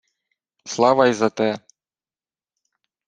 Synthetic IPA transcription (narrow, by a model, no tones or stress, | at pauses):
slˠɑʋajzɐt̪ɛ